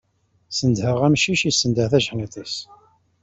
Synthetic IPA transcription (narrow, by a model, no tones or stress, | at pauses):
sənd̪həʁæmʃiʃisːənd̪əθæʒhnit̪ˤis